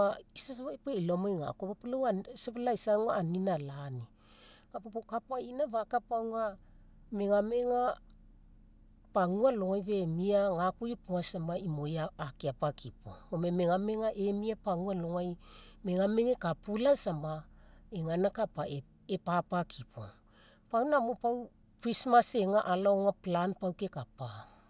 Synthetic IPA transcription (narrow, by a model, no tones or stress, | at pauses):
aisapueilomojŋa̰kopapulaasapalaisaŋuaːninalani | kapopokapainaβakapaŋua | me̞ŋame̞ŋa | paŋualoŋajβemiaŋakujepuŋasambaimojaːkiapakʰipo̰omemeŋame̞ŋaʔe̞miapaŋualoŋajme̞ŋame̞ŋekapulasambaeŋanakapae | epapakʰipʰo̰ | pawnamopaw | pɾismase̞ŋaʔalaoŋaplanpawkekapa